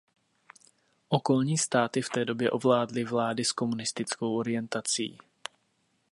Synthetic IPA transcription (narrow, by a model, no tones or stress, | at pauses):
ʔo̞ko̞lɲiːst̪aːt̪ɪft̪ɛːdo̞bjɛʔo̞vlaːdlɪvlaːdɪsko̞munɪst̪ɪt͡sko̞wʔo̞ɾɪjɛnt̪at͡sḭː